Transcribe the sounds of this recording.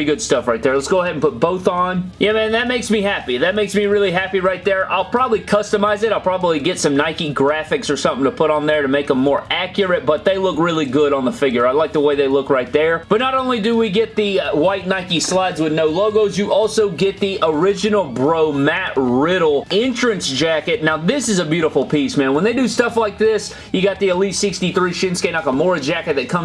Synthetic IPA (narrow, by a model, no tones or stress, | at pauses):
iɡʊd̥stʌfɹaɪt̪̚ðə˞lətsɡ̥oʊəɦɛɾⁿn̩pʊt̚b̥oʊθn̩jæmæ̃nðɨt̚meɪksmihæpiðɨt̚meɪksmiɹɪlˠiɦæpiɹaɪt̪̚ðə˞ʔa̰ɪlˠpʰɹ̥ɑbəblikʰʌstɨmaɪzɨɾaɪlˠpʰɹ̥ɑbəbliɡɛtsʌ̃mnaɪkiɡɹæfɨksə˞sʌ̃mθɪ̃ŋtʰəpʰʊɾn̩ðə˞ɾɨmeɪkə̃mɔɹækjə˞ɨt̚b̥ʌt̪̚ðeɪlʊkɹɪlˠiɡʊɾn̩ðəfɪɡjə˞aɪlaɪk̚ðəweɪðeɪlʊkɹaɪt̪̚ðə˞b̥ʌtⁿnəɾõʊ̃nlidɨwiɡɛt̪̚ðɨwaɪtⁿnaɪkislaɪdzwɨðnoʊloʊɡoʊzjɨʔɔlˠsoʊɡɛt̪̚ðiʔə˞ɪd͡ʒɨnl̩ˠbɹoʊmæt̚ɹɪɾl̩ˠɛ̃nt͡ʃɹ̥ɨ̃nsd̥ʒ̥ækɨt̚ⁿnaʊðɪsɨzəbjʉɾəfl̩ˠpʰizmæ̃nwə̃nðeɪdɨstʌflaɪk̚ðɪs | jɨɡɑt̪̚ðiɨlitsɪkstiθɹiʃɪ̃nskeɪnɑkəmɔɹɨd͡ʒækɨt̪̚ðɨt̚kʰʌ̃m